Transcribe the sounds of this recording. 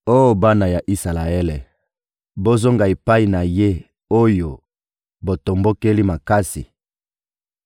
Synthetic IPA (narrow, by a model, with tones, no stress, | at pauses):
o˦jo˨ba˦na˨ja˨ʔi˦sa˨la˨e˦le˨ | bo˦zo˦ŋɡa˨e˨pa˦i˨na˨je˦ | o˦jo˨ | bo˨to˨mbo˦ke˦li˦ma˨ka˦sḭ˨